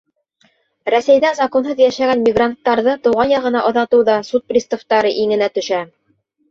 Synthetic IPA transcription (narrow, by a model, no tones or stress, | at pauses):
ɾæsæjðæzɑkonɦɤðjæʃæɡænmʲiɡrant̪ːɑɾðɤt̪ɤ̆wʁɑnjɑʁɤ̆nɑʔŏðɑt̪ɤwðɑsut̪̚prʲist̪ŏft̪ɑɾɤʔiŋɘ̆næt̪ɵ̆ʃæ